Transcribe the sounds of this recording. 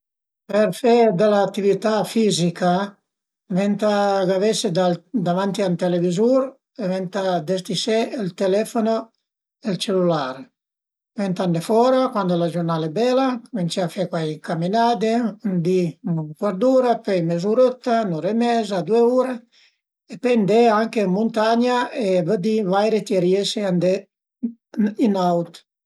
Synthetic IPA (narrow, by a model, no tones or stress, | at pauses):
perfed̪elaːt̪ːivit̪afizika | vɛnt̪aɡavesed̪ad̪avant̪iant̪elevizuɾ | evɛnt̪ad̪est̪iseːlt̪elɛfono | elt͡ʃelulaːɾ | vɛnt̪andefɔɾakwand̪olad͡ʒornaːlɛbɛlakoment͡ʃiafekwajiŋkaminaːd̪eund̪ikwaɾd̪uːɾapɛjmezuɾot̪ːanuɾemɛzad̪ueuːɾa | epend̪eaŋkemːunt̪aɲaevəd̪ivajɾet̪jeɾieseand̪e | inawt̪